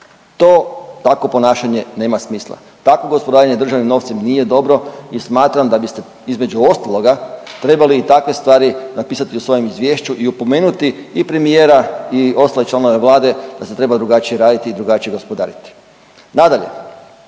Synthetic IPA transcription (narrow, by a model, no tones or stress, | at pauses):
t̪o̞ːt̪ako̞po̞naːʃaɲe̞ne̞ːmasmiːslˠa̰ | t̪ako̞ɡo̞spod̪aɾaɲe̞d̪ɾr̩ʒaʋnimno̞ʋt̪simnije̞d̪o̞bɾo̞ismaːt̪ɾamd̪abist̪e̞ | izme̞d͡ʑuo̞st̪alˠo̞ɡat̪ɾe̞baliːt̪akʋe̞st̪ʋaːɾinapiːsat̪iusʋo̞joe̞mizʋje̞ːʃt͡ɕuʔiupo̞me̞ːnut̪iːpɾe̞mije̞ːɾaio̞st̪alet͡ʃlano̞ʋeʋlˠaːd̪e̞d̪̥aset̪ɾe̞bad̪ɾuɡat͡ʃije̞ɾaːd̪it̪iːd̪ɾuɡat͡ʃije̞ɡo̞spo̞d̪a̰ːɾit̪i̥ | nad̪aʎe̞̰